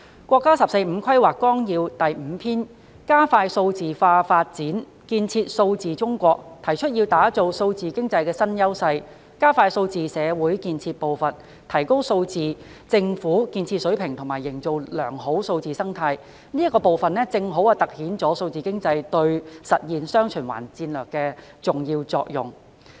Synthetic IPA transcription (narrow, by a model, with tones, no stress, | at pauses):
kʷwʷɔː˧kːaː˥sɐ˨p̚se˧jm̩˨˧kʰwɐ˥jwaː˨˩kːɔː˥ŋjiː˧wt̪ɐ˨jm̩˨˧pʰiː˥n | kaː˥faː˧jso˧wt͡siː˨˩faː˧faː˧t̚t͡siː˨˥n | kiː˧nt͡sʰiː˧t̚so˧wt͡siː˨t͡sʊ˥ŋkʷɔː˧k̚t̪ʰɐ˨˩jt͡ʃʰɵ˥t̚ji˧wt̪aː˨˥t͡so˨wso˧wt͡siː˨kɪ˥ŋt͡sɐ˧jkɛː˧sɐ˥njɐ˥wsɐ˧j | kaː˥faː˧jso˧wt͡siː˨sɛː˨˧wuː˨˥jkiː˧nt͡sʰiː˧t̚po˨˩wfɐ˨n | t̪ʰɐ˨˩jko˥wso˧wt͡siː˨˩t͡sɪ˧ŋfuː˨˥kiː˧nt͡sʰiː˧t̚sɵ˨˥ɥpʰɪ˨˩ŋt̪ʰʊ˨˩maː˨˩jːɪ˨˩ŋt͡so˨wlœ̰ː˨˩ŋɦo˨˥wso˧wt͡siː˨sɐ˥ŋt̪ʰaː˧j | niː˥tkːɔː˧po˨wfɐ˨nlɛː˥t͡sɪ˧ŋɦo˨˥waː˨t̪ɐ˨k̚hiː˨˥nt͡sɔː˨˥so˧wt͡siː˨kɪ˥ŋt͡sɐ˧jt̪ɵ˧ɥsɐ˨t̚jiː˨nsœː˥ŋt͡ʃʰɵ˨˩nwa̰ː˨˩nt͡siː˧nlœː˨˩kːɛː˧ | t͡sʊ˨ŋjiː˧wt͡sɔ̰ː˧k̚jʊ̰˨˩ŋ